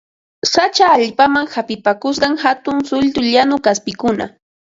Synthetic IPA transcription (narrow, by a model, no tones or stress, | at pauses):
sat͡ʃaːʎpamaŋxapɪpakʊs̬ɢɑŋhat̪ʊŋsʊʎt̪ʊʎanʊkaspɪkʊna̰